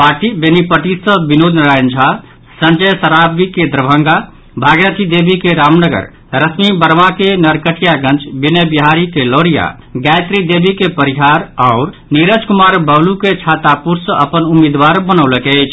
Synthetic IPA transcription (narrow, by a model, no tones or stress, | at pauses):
paɾʈibenipəʈisəbinod̪nɾajnd͡ʒʱa | sə̃nd͡ʒəjsəɾabikẽd̪ɾəbʱəŋɡa | bʱaɡjət̪ʰid̪ebʱikeɾamnəɡə̰ɾ | ɾəsmibəɾmakenəɾkəʈʰijaɡə̃nt͡ʃbinəbiɦaɾikeloɾija̰ | ɡajt̪ɾid̪ebʱikepəɾiɦaɾaʊɾ | niɾəd͡ʒkumaɾbəbluket͡ʃʰat̪apuɾsəʔəpənumid̪ʋaɾbənəwləkeət͡ʃʰ